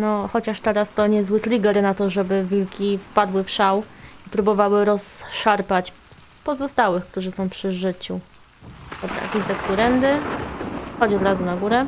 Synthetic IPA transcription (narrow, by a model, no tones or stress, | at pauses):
nɔxɔt͡ɕaʂt̪ɛɾast̪ɔɲɛzwɘt̪lʲiɡɛɾnat̪ɔʐɛbɘvʲilkʲifpad̪wɘfʂawipɾubɔvawɘɾɔsʂaɾpat͡ɕ | pɔzɔst̪awɘxk̚t̪uʐɘsɔ̃w̃pʂɘʐɘt͡ɕu | d̪̥ɔbɾa̰vʲid̪zɛkt̪uɾɛnd̪ɘ | xɔd͡ʑɔd̪ɾazunaɡuɾɛ